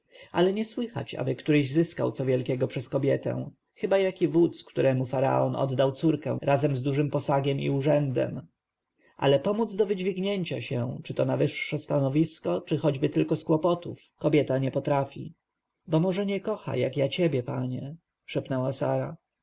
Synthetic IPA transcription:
alɛɲɛswɘxa̰t͡ɕa̰bɘkt̪uɾɛʑzɘska̰wt̪sɔvʲjɛlkʲɛɡɔpʂɛskɔbʲjɛt̪ɛ̰̃w̃ | xɘbajakʲivut̪skt̪uɾɛmufaɾa̰ɔnɔ̰d̪d̪awt̪suɾkɛ̰̃ɾʔazɛmzd̪uʐɘmpɔsaɡʲɛmḭuʐɛnd̪ɛ̰m | ʔa̰lɛpɔmud̪zd̪ɔvɘd͡ʑvʲiɡɲeɲt͡ɕa̰ɕɛw̃t͡ʂɘt̪ɔnavɘʂːɛst̪anɔvʲiskɔt͡ʂɘxɔd͡ʑbɘt̪ɘlkɔskwɔpɔt̪ufkɔbʲjɛt̪aɲɛpɔt̪ɾafʲḭ | bɔmɔʐɛɲɛkɔxa̰jakjat͡ɕebʲjɛpaɲɛ | ʂɛpnɛwasaɾa

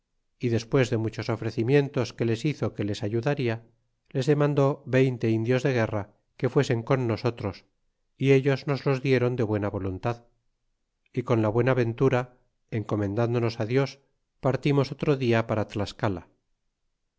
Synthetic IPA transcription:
iðe̞spwe̞zðe̞mut͡ʃo̞so̞fɾe̞θimje̞nt̪o̞ske̞le̞siθo̞ke̞le̞saʝuðaɾia | le̞zðe̞mãnd̪o̞βe̞jnt̪e̞ind̪jo̞zðe̞ɣ̞e̞ra | ke̞fwe̞se̞ŋko̞nːo̞so̞t̪ɾo̞s | ie̞ʎo̞zno̞zlo̞zðje̞ɾo̞nd̪e̞βwe̞naβo̞lunt̪að | iko̞nlaβwe̞naβe̞nt̪uɾa | e̞ŋko̞mẽ̞nd̪and̪ono̞saðjo̞s | paɾt̪imo̞sot̪ɾoðiapaɾat̪laskala

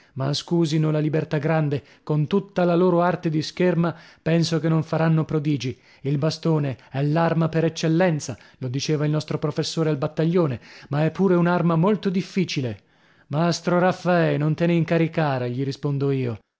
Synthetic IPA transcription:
ma̰skuːzinolalibert̪aɡɾand̪e | kont̪ut̪ːalaloːɾoart̪ed̪iskermapɛnsokenːoɱfaɾanːopɾod̪iːd͡ʒi | ilbast̪oːneɛlːarmapeɾɛt͡ʃːelːɛnt̪salod̪it͡ʃeːvailnɔst̪ɾopɾofesːoːɾealbat̪ːaʎːoːnemaɛpːuːɾeunarmamolt̪od̪ifːiːt͡ʃile | mast̪ɾoɾafːaɛnont̪eneiŋkaɾikaːɾeʎiɾispond̪oiːo

